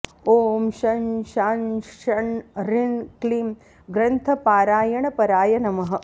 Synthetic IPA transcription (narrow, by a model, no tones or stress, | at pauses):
oːmʃɐnʃaːnʃɐɳɾiɳkliːm | ɡɾɐnt̪ʰɐpaːɾaːjɐɳɐpɐɾaːjɐnɐmɐɦɐ